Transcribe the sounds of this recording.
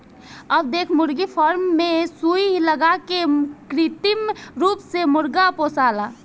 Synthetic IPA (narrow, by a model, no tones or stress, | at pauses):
əbd̪eːkʰmʊɾɡipʰɔɾmːesuiɦləɡakekɾit̪imɾuːpsemʊɾɡaposaːla